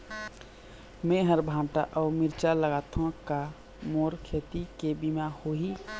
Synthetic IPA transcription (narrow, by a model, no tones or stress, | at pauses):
meɦəɾbʱãːʈaʔɔːmiɾt͡ʃaləɡaːt̪ʰõka | moːɾkʰeːt̪ikebimahoɦi